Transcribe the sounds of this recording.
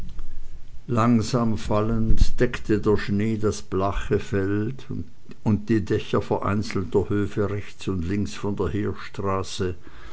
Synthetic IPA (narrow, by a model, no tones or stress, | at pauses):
laŋzaːmfaləntd̥ɛktʰədeːɐʃneːdasb̥laχəfɛlt | ʊnt̚d̥iːdɛçɐfɛɐʔa̰ɪnt͡sl̩tɐhøːfəʁɛçt͡sʊntlɪŋksfɔndeːɐheːɐʃtʁ̥aːsə